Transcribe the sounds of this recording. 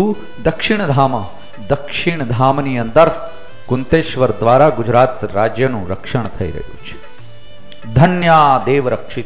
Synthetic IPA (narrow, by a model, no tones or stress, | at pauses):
uː | d̪ɐkʂiɳ̃d̪ʱaːmɐ | d̪ɐkʂiɳ̃d̪ʱaːmniənt̪əɾ | kunt̪eːʃʋəɾd̪ʋaːɾaɡud͡ʒɾaːt̪ɾaːd͡ʒjɐnũɾɐkʂəɳt̪ʰɐḭɾɐ̰ɦjṵːt͡ʃʰe̥ | d̪ʱɐnjaːd̪eːʋɾəkʂit̪